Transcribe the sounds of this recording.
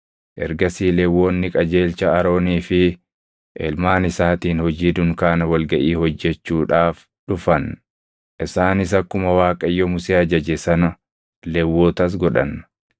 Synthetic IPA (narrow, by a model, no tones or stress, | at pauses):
ʔɛ̰ɾɡɐsiːlɛwːo̞ːnːɪkʼɐd͡ʒe̞ːlt͡ʃɐɐɾo̞ːniːfɪ | ʔɛ̰lmaːnɪsaːt̪iːnhɔd͡ʒiːd̪ʊŋkaːnɐwɐlɡɐʔiːhɔd͡ʒːɛt͡ʃːuːᶑaːf | ᶑʊfɐn | ʔɪsaːnɪs̬ɐkːʊmɐwaːkʼɐjːɔmʊseːɐd͡ʒɐd͡ʒɛsɐnɐ | lɛwːo̞ːt̪ɐs̬ɡɔᶑɐ̰n